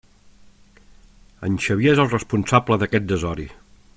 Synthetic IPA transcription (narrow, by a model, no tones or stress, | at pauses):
ə̰nʲʃəβjezəlˠrəspunsabləðəkɛt̪̚d̪əzɔɾḭ